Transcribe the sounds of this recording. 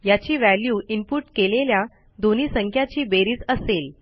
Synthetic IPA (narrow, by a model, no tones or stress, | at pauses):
jat͡ɕiːʋæljuːʔimpuʈkelelja | d̪oniːsəŋkʰjat͡ɕiːbeɾiːt͡səsel